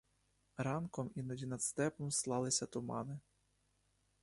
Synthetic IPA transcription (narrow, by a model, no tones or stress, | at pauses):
ɾɑnkɔminɔdʲinɐt̪st̪ɛpɔmslˠɑlˠɪsʲɐt̪ʊmɑ̰nɪ